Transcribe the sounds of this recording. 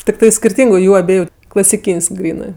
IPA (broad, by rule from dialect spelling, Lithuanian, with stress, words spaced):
tʲɪkˈtɐɪ sʲkʲɪrʲˈtʲiːŋɡʊ ˈjuː ɐˈbʲiɛjʊ klˠɐsʲɪˈkʲiːnʲsʲ ˈɡrʲiːnɜ